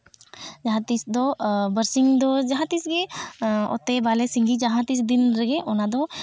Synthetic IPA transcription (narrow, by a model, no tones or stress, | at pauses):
d͡ʒɐɦãt̪isd̪obəɾsiŋd̪od͡ʒɐɦãt̪isɡeɔ̰t̪ebaːlesĩŋɡid͡ʒɐɦãt̪isd̪ɪnɾɐɡeʔonad̪o